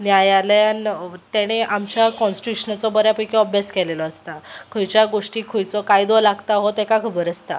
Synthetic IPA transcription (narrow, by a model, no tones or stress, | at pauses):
njajaləant̪ɛɽ̃eʔamt͡ɕjakɔ̃nsʈiuɕənat͡sɔbəɾjapəjkeɔbjaskɛlelɔəst̪akʰəjt͡ɕjaɡoʂʈiːkʰəjt͡sɔkaid̪ɔlaɡt̪aɦot̪ɛkakʰəbəɾəst̪a̰